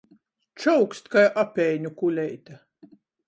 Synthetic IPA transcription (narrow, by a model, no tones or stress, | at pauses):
t͡ʃɔwkst̪kajʔapʲɛjɲʲukulʲɛjt̪a